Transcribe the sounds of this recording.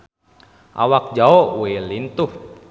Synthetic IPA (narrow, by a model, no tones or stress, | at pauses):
ʔa̰wak̚d͡ʒaowelint̪uh